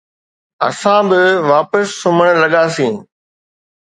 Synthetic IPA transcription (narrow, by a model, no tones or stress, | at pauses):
ɐ̰sãːbɪʋaːpəsːʊməɽ̃lɐɠaːsĩː